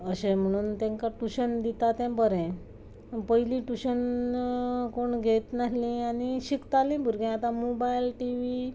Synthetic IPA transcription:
əɕẽm̤əɽ̃uːnt̪ɛ̃ŋkaʈuɕənd̪it̪at̪ɛ̃bəɾɛ̃ | pəilĩʈuɕən | koɳɡʱet̪naɦlĩaniɕikt̪alĩbʱuɾɡɛ̃at̪ãmobajlʈiʋi

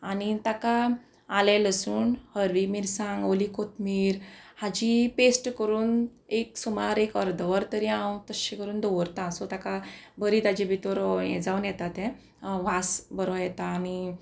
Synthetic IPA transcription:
anit̪aka | alɛləsuːnhəɾʋimiɾsãŋɡolikot̪miːɾhad͡ʑipesʈkəɾuːneksumaɾekəɾd̪əʋəɾt̪əɾiãwt̪əɕĩkəɾuːnd̪ɔʋəɾt̪ãsɔt̪akabəɾiːt̪ad͡ʑibʱit̪ɔɾjɛ̰̃d͡zawnjɛt̪at̪ɛ̃ | ʋasbəɾɔjɛt̪aːni

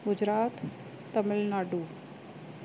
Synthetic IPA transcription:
ɡʊd͡ʑɾaːt̪ː | əməlnaːɖuː

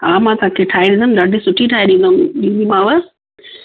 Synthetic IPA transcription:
ɦaːmãːt̪aãkʰeʈʰaːiɗĩnd̪ʊmɗaɖʱisʊʈʰiʈʰaːiɗĩːnd̪omɗĩːd̪imãːʋə

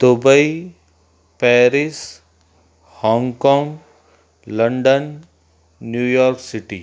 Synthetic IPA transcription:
d̪̥ʊbəi | pɛːɾis | hɔ̃ːŋɡkɔ̃ːŋɡ | lɐ̃ɳɖənː | juːjɔːɾksɪʈi

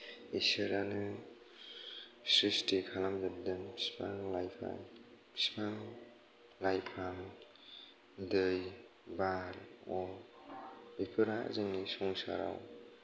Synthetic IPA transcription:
isɯɾanɯ | sɾistikʰalamdɯdɯnʰi̥spaŋlajpʰa̰jpʰi̥spaŋ | lajpʰaŋ | dɯj | baɾɔ | bipʰɯɾa̰zɯŋnisɔŋsa̰ɾa̰w

